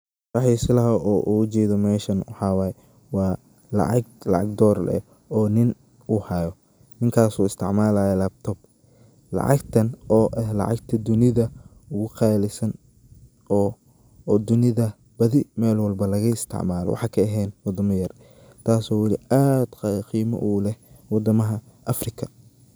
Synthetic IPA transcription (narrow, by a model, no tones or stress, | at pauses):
rɑħisɪlɐɦɐʔɔːʔuːʊt͡ʃɛːðɔmɛːʃɐnwɑħɑːwɑːjɛ | wɑː | lɑ̰ʕɑɡlɑ̰ʕɑɡd̪ɔːɾlɛ̰ | ɔːnɪn | uhɐjɔ | nɪŋkʰaːsuːɪst̪ʰɪʕmaːlaːjɛlab̚t̪ʰɔːb̚ | lɑ̰ʕɑ̰ɡt̪ʰɐnɔːʔɛlɑ̰ʕɑ̰ɡt̪ʰɐd̪ʊnɪðɐ | ʊɣʊqɑːlɪsɐn | ɔː | d̪ʊnɪðɐ | b̥ɐðɪmɛːlwɑlbɐlɐɣɐɪst̪ʰɪ̰ʕmaːlɔ̰wʔɑ̰ħɑkʰɐɐɦɛːnwɑd̪ɐmɐjɐr | t̪ʰaːsɔːwɑliaːd̪̥qqiːmɐ̰ʔuːlɛhwɑd̪ɐmɐɦɐ | ʔɐfrɪkʰɐ̥